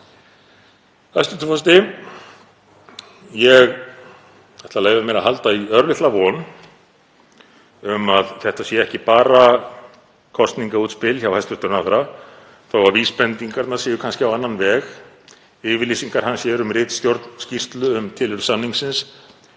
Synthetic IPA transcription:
hajst̪ʏt̪ːʏfɔst̪ɪ | jɛɣ | θɛht̪aleːjðamɛɾahɦalt̪aiœɾlɪht̪lavɔn | ʏmaðθɛht̪asjɛɛhcɪpaːɾa | kʰɔst̪niŋkauːt̪spɪlçawhast̪ʏht̪ʏɾnaðɾa | θawvaɾviːspɛnt̪iŋkaɾt̪naɾsɛːjʏkʰanscɪawanːanvɛːɣ | ɪːvɪɾliːsiŋkaɾ̥hansjɛɾʏmrɪːt̪scowɾt̪nscir̥t̪lʏʏmt̪ʰɪlʏɾʏ̥samniŋksɪns

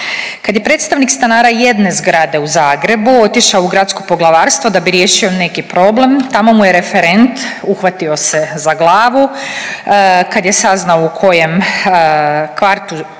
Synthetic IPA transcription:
kad̪je̞pɾet̪st̪aʋnikst̪anaːɾaje̞d̪ne̞zɡɾad̪e̞uzaːɡɾe̞buo̞t̪iʃaouɡɾat̪sko̞po̞ɡlˠaʋaːɾst̪vʋod̪abiɾje̞ːʃio̞ne̞kipɾo̞ble̞mt̪amo̞mujeɾe̞feɾe̞nt̪uxʋat̪io̞se̞zaɡlˠaːʋu | kad̪je̞saznaoukʰo̞je̞m | kʋaɾt̪u

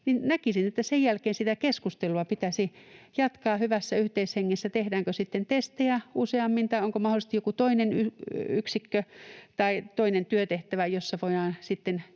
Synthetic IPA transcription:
ninnækisinet̪ːæsejjælkeːnsit̪ækeskust̪eluɑpit̪æsijɑt̪kɑːhyʋæsːæyht̪eisheŋːesːæt̪ehdæːŋkøsit̪ːent̪est̪eæuseɑmːint̪ɑioŋkomɑholist̪ijokut̪oinenyyksikːøt̪ɑit̪oinent̪yøt̪eht̪æʋæjosːɑʋoiɑːnsit̪ːen

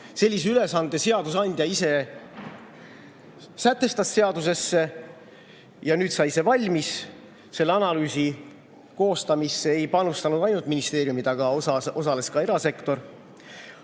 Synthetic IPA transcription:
se̞lʲːis̬eyle̞sɑnd̪e̞se̞ɑd̪̥usɑnʲd̪̥ʲjɑise̞ | sæt̪ːˑe̞st̪ɑsːe̞ɑd̪use̞sːe | jɑnyːd̪sɑjse̞vɑlʲmis | se̞lːeɑnɑlyːsi | ko̞ːst̪ɑmisːeejpɑnust̪ɑnud̪̥ɑjnult̪minist̪e̞ːɾjumid̪̥ɑɡ̥ɑɑo̞sɑle̞skɑe̞ɾɑse̞kt̪o̞ɾ

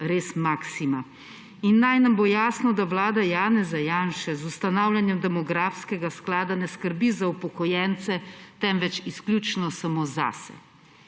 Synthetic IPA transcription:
ɾeːsmaksima | inːajnambojaːsnɔd̪awlaːd̪ajaːnɛzajanʃɛzust̪anaːwlʲjanjɛmd̪ɛmɔɡɾaːfskɛɡasklaːd̪anɛskəɾbizaupɔkɔjɛnt̪sɛt̪ɛmʋɛt͡ʃisklʲjuːt͡ʃnɔsamoːza̰sɛ̰

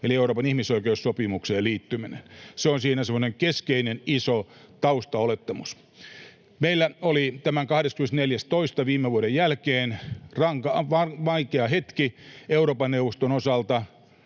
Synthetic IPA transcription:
elieuɾroːpɑnihmisoikeussopimukseːliːt̪ːyminenseonsiːnæsemːˑŏneŋkeskeinenisot̪ɑust̪ɑolet̪ːɑmus | meilːæolit̪æmæŋkɑhɾeskymenst̪neljæst̪oist̪ɑʋiːmːeʋuoɾejælkeːnrɑŋkɑʋɑʋɑikeɑhet̪kieuɾoːpɑnːeuʋˑost̪onosɑlt̪ɑ

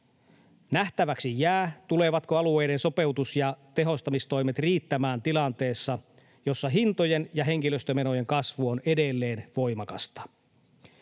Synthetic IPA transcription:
næht̪æʋæksijæːt̪ule̞ʋɑt̪koɑlue̞jde̞nso̞pe̞wt̪usjɑt̪e̞ɦo̞st̪ɑmist̪o̞jmet̪riːt̪ːæmæːnt̪ilɑnt̪e̞ːsːɑ | jo̞sːɑɦint̪ojenjɑɦe̞ŋ̟kiløst̪øme̞no̞je̞ŋkɑsʋuonede̞lːe̞ːnʋojmɑkɑst̪ɑ̥

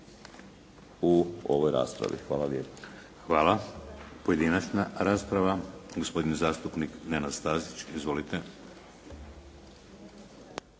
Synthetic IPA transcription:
uo̰ʋojɾa̰ːspɾa̰ʋḭxʋaːlaʋjeːp | xʋaːlˠapo̞je̞d̪inat͡ʃnaɾaːspɾaʋaɡospo̞d̪inzaːst̪upniknenad̪st̪aːzit͡ʃizʋo̞lit̪e̞

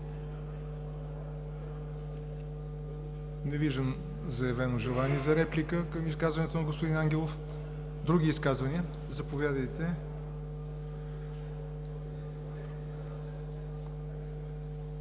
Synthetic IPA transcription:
nɛviʒd̪əm | zɐjɛvɛnoʒɛlˠaniɛzɐɾɛplʲikəkəmiskazvɐnɛt̪onɐɡospʊd̪inaŋɡʲɛlˠof | d̪ɾuɡʲiːskazvɐniə | zɐpovʲjad̪əjt̪ɛ

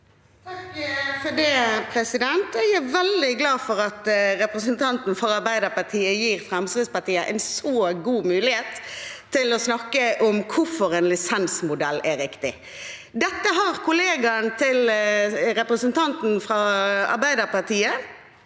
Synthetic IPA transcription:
fɔdɛpʰɾɛsɪd̪ɛnt̪ɛɡæʋɛld̪ɪɡlɑːfɔɾɑt̪ɾɛpɾəsənt̪ʰɑnt̪n̩fɔɾɑɾbæɪd̪əpɑt̪ʰiːəjiːɾfɾɛmsɪspɑʈ̪iːəʔɛ̰ɪnsoːɡuːmʉːlɪheːt̪ʰːɪlɔsnɑkːəʔʊmkʰʊfɔɾɛnlɪsɛnsmʊd̪ɛlːæɾɪkt̪ɪ | d̪ɛt̪ːəɦɑʁkʰʊleːɡɑnt̪ʰɪl | ɾɛpɾəsənt̪ɑnt̪n̩fɾɑːɑ̰ɾbæɪd̪əpɑt̪ʰiːə

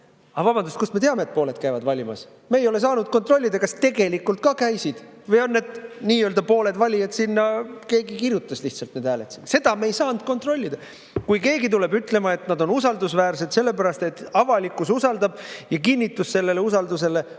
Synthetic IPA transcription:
ɑvɑb̥ɑnd̪ust̪kusme̞t̪e̞ɑme̞eːt̪̚po̞ːle̞d̪̚kæjvɑd̪vɑlʲimɑ̰s | me̞ːjo̞le̞s̬ɑːnud̪̥̚ko̞nt̪ˑro̞lʲːid̪̥ɑkɑst̪e̞ɡe̞likːˑult̪̚kɑkæjsid̪̥ | vɤjo̞nːe̞d̪niːøːld̪̥ɑpo̞ːle̞d̪vɑlʲiɑt̪sinːɑke̞ːɡikirjut̪ːˑɑsliht̪sɑlt̪ned̪æːlet̪sinse̞d̪ɑmeːjsɑːnd̪̥̚ko̞nt̪ro̞lʲːid̪̥ɑ | kujke̞ːɡit̪ule̞byt̪ˑle̞mɑe̞t̪nɑd̪o̞nusɑld̪usvæːɾse̞d̪̥se̞lːe̞pæɾɑst̪e̞t̪ːˑɑvɑlikːˑususɑld̪ɑb̥jɑkinʲːit̪ːˑusse̞lːe̞le̞usɑld̪us̬e̞le̞

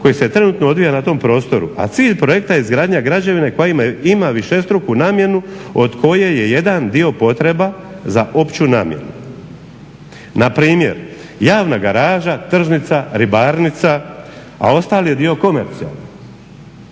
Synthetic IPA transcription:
ko̞jise̞t̪ɾe̞nuːt̪no̞o̞d̪ʋijanat̪o̞mpɾo̞ːst̪o̞ɾṵʔa̰t̪siːʎpɾo̞je̞kt̪aizɡɾaːd̪ɲaɡɾad͡ʑaʋine̞ko̞jaimaimaʋiʃe̞st̪ɾokunaːmje̞nuod̪kʰo̞je̞je̞je̞d̪and̪io̞po̞t̪ɾe̞ba | zaʔo̞pt͡ɕuna̰ːmjḛnu | napɾiːmje̞̰ɾ | jaːʋnaɡaɾaːʒat̪r̩ʒnit̪saɾibaɾnit̪sa | a̰o̞st̪aːlijed̪io̞ko̞me̞̰ɾt̪sia̰lˠni

